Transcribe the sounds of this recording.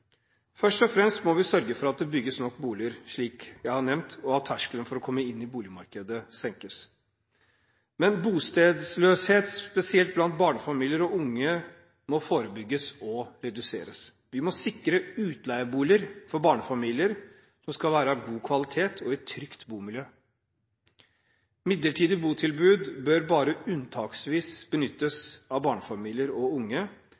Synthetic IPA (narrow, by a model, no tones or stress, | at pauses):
fœʂʈɔfɾɛmst̪mɔʋɪsœɾɡəfɔɾɑt̪̚d̪ɛbʏɡːəsnɔkːbuːlɪəɾʂɭiːkjæɪhɑɳɛʋnt̪ʰɔhɑːt̪ʰæʂkələnfɔɾɔkʰɔmːəɪnːɪbuːlɪmɑ̰ɾkəd̪əsɛŋkəs | mɛnbuːst̪eːd̪sløːsheːt̪spɛsɪɛlt̪̚blɑnt̪̚bɑːɳəfɑmiːlɪəɾɔʊŋːə | mɔfoːɾəbʏɡːəsɔɾɛd̪ʉsḛːɾəs | ʋɪmɔsɪkɾəʉːt̪læɪəbuːləɾfɔɾbɑːɳəfɑmiːlɪəɾ | sɔmskɑlʋæːɾəɑɡuːkʰʋɑlɪt̪ʰeːt̪ʰɔɛt̪ʰːɾʏkt̪buːmɪljøː | mɪd̪ləʈʰiːd̪əbuːt̪ʰɪlbʉːd̪bøɾbɑːɾəʉnt̪ʰɑːksʋiːsb̥ənʏt̪ːəsɑʋbɑːɳəfɑmiːlɪəɾɔʊŋːə